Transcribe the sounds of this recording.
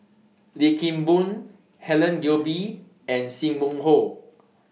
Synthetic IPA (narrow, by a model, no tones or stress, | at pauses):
likĩmbũn | hɛlə̃nɡobi | ɛ̃nsĩmmũŋho